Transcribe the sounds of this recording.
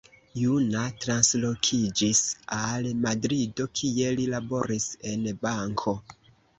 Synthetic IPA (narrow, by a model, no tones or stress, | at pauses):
junatɾanslo̞kʰid͡ʒisalmadɾido̞kʰie̞lilabo̞ɾise̞nbaŋkʰo̞